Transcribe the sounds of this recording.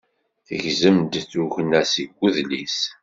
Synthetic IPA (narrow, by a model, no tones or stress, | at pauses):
θəʝzəmd̪t͡sːuʝnæsiɡʷːuðlis